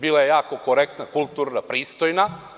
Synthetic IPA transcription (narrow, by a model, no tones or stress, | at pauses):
biːlajejaːko̞koɾekt̪nakulˠt̪uːɾnapɾiːst̪ojna